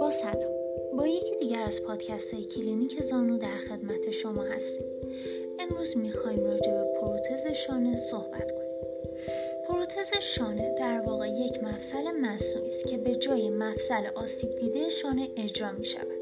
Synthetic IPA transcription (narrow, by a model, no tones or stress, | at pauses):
b̥ɒːsælɒːm | bɒːje̞cʰid̪iːɟæɾæz̥pʰɒːd̪̥cʰæst̪ʰɒːjecʰilinicʰe̞zɒːnud̪æɾxe̞d̪mæt̪ʰe̞ʃo̞mɒːhæ̰st̪iːm | ʔe̞mɾuːzmixɒːhimrɒːd͡ʒe̞be̞pʰoɾot̪ʰe̞ze̞ʃɒːne̞so̞hb̥æ̰t̪kʰo̞nːim | pʰoɾot̪ʰe̞ze̞ʃɒːne̞d̪̥æɾvɒːɣe̞je̞cʰmæfsæle̞mæsuʔist̪cʰe̞be̞d͡ʒɒːje̞mæfsælḛʔɒːsiːb̚d̪iːd̪ejʃɒːne̞ʔe̞d͡ʒɾɒːmiʃæ̰væd̪̥